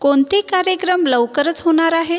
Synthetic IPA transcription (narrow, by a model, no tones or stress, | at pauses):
kont̪ekaɾjəkɾəmləʋkəɾət͡sɦoɽ̃aɾaɦe